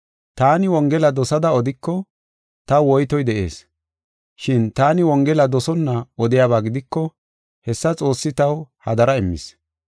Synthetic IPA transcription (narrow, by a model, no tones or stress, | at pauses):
t̪aːnɪwɔŋɡɛlɐd̪ɔsɐd̪ɐɔd̪ɪkːɔ | t̪ɐwɔjt̪ɔjd̪ɛʔe̞̰ːs | ʃɪnt̪aːnɪwɔŋɡɛlɐd̪ɔsɔnːɐɔd̪ɪjaːβaːɡɪd̪ɪkːɔ | hɛsːɐt͡sʼo̞ːsːɪt̪ɐwhɐd̪ɐɾɐɪmːɪ̰s